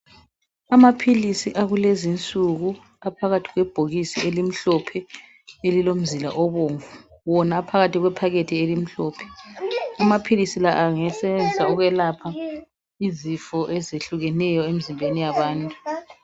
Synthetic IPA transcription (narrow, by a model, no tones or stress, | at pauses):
amapʰilisiʔaɣulezint͡sʼuɣu | apʰaɣatʰi̥ɣwɛb̥ʱoɣisielim̩ɬɔpʰɛ | elilom̩zila̰ʔɔβoːɱvuwɔnaːpʰaɣatʰiɣwɛpʰaɣetʰielim̩ɬɔːpʰɛ̥amapʰilisilaʔaŋɛsɛβɛnd͡ziaɔɣwɛlapʰa | izifɔʔɛzeɬuɣɛnɛjɔemizimbʱenijaβaːntʼu